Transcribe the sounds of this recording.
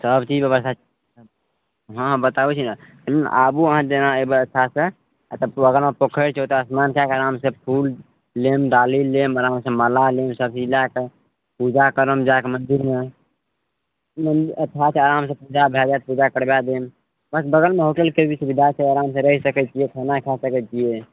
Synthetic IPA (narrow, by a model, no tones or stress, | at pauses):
səbt͡ʃid͡ʒbjəβəst̪ʰat͡ʃ | ɦə̃bət̪abt͡ʃʰinat̪əen̰ʔabuəɦãd͡ʒenaebəət̪ʰːasẽ | at̪əəɡəɾmepokʰəɾt͡ʃʰɦot̪əsmankakeəɾamsẽpʰulː | emɖalilːeməɾamsẽməlalemsəb̚t͡ʃilake | pud͡ʒakəɾəmd͡ʒakemənd̪iɾme | məndət̪ʰːat͡ʃʰeaɾams̬ẽpud͡ʒabʱad͡ʒat̪pud͡ʒakəɽbad̪em | bəsbəɡəlmeɦoʈəlkebit͡ʃʰbid̪ʱat͡ʃʰeəɾamsẽɾəɦisəkɛt͡ʃiekʰanakʰasəkɛt͡ʃʰie